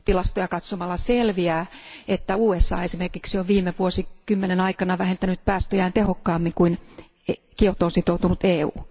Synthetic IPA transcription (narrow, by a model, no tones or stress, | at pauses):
t̪ilɑst̪ojɑkɑt̪somɑlːɑselʋiæːet̪ːæuːesːɑ̰ːesimerkiksioʋʋiːmeʋuosikymːenenɑikɑnɑʋæhent̪ænyt̪̚pæːst̪øjæːnt̪ehokːɑːmːiŋkuin | kiot̪oːnsit̪out̪unut̪eːṵː